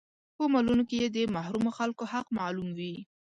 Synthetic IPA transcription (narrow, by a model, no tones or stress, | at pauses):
pəmalunokejed̪əmahɾumoxalkohaqmɑlumwi